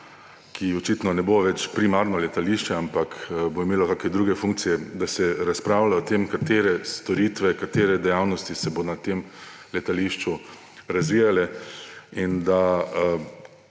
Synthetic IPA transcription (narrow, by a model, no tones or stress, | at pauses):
kʰiɔt͡ʃiːt̪nɔnɛboʋɛt͡ʃpɾimaːɾnɔlɛt̪aliːʃt͡ʃɛampakboimeːlɔkaːkɛd̪ɾuːɡɛfuŋk̚t̪sijɛd̪asɛɾaspɾaːwlaɔt̪eːmkat̪eːɾɛst̪ɔɾiːt̪ʋɛkat̪eːɾɛd̪ɛjawnɔst̪isɛbonat̪eːm | lɛt̪aliʃt͡ʃu | ɾazʋiːjalɛ | ind̪a